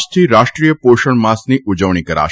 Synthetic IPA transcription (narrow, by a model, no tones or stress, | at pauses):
ʃt̪ʰiɾaʃʈɾijəpoʃəɳmasniʔud͡ʒəʋɳ̃ikəɾa̰ʃ